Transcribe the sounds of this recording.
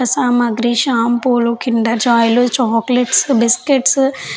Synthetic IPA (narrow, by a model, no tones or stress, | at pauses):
ɐsaːmɐɡɾiːʃaːmpoːlukiɳɖɐd͡ʒaːjlut͡ʃɔkleʈsbiskeʈs